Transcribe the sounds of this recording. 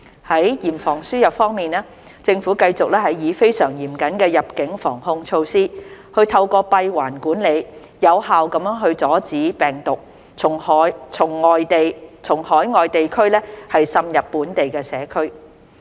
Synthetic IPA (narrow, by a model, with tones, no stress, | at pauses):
hɐ˨˥jjiː˨˩mfɔː˨˩ŋsyː˥jɐ˨p̚fɔː˥ŋmiː˨naː˥ | t͡sɪ˧ŋfuː˨˥kɐ˧jt͡sʊ˨k̚lɛː˥hɐ˨jjiː˨˧fe˥jsœː˨˩ŋjiː˨˩mkɐ˨˥nkɛː˧jɐ˨p̚kɪ˨˥ŋfɔː˨˩ŋhʊ˧ŋt͡ʃʰo˧wsiː˥hɵ˧ɥt̪ʰɐ˧wkɔː˧pɐ˧jwaː˨˩nkuː˨˥nle˨˧j | jɐ˨˧whaː˨wkɐ˨˧˥mjœː˥ŋɦɵ˧ɥt͡sɔː˨˥t͡siː˨˥pɛː˨˩ŋt̪ʊ˨k̚ʰ | ʊ˨˩ŋhjt͡sʰʊ˨˩ŋːɔː˨jt̪e˨jt͡sʰʊ˨˩ŋhɔː˨˥jŋɔː˨jt̪e˨jkʰɵ˥ɥlɛː˥hɐ˨jsɐ˧mjɐ˨pːuː˨˥nt̪e˨jkɛː˧sɛː˨˥kʰɵ˥ɥ